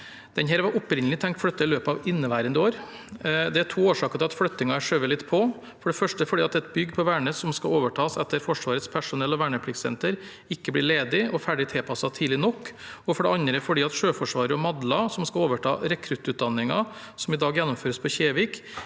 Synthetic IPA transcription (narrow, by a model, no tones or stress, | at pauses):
d̪̥ɛnɦæːɾʋɑʔʊpɾɪnəlɪt̪ʰɛŋkt̪flœt̪ːɑɪløːpɑʋɪnːəʋæɪɾənd̪ɪoːɾ | d̪ɛæʈʰuːoːʂɑːkət̪ɪlɑt̪flœt̪ːɪŋɑæʂøːʋəlɪt̪ːpʰɔ | fɔɖɛfœʂʈəfɔɖiːɑt̪ɛt̪bʏɡpʰɔʋæːɳəsɔmskɑoːʋəʈʰɑːsɛt̪ːəɾfɔʂʋɑːɾət̪spʰæʂʊnɛlːɔʋæːɳəpʰɽɪɡsɛ̰nt̪əɾ | ɪkːəblɪɭeːd̪ɪɔfæɖɪt̪ʰɛlpʰɑsɑt̪ʰiːd̪lɪnɔkːɔfɔɖɛɑnɾəfɔɖiːɑt̪ʂøːfɔʂʋɑːɾəɔmɑd̪lɑsɔmskɑloːʋəʈʰɑ̰ːɾɛkʰɾʉt̪ːʉːt̪̚d̪ɑnːɪŋɑ | sɔmɪd̪ɑːɡjɛnːɔmføːɾəspʰɔçeːʋɪk